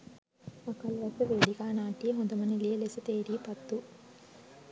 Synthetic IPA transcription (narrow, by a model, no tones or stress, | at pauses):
ɐkɐlʋɐsɐʋeːɽiɡaːnaːʈiɦɔnd̪ɐmɐnililesɐt̪eːɾipɐt̪ːu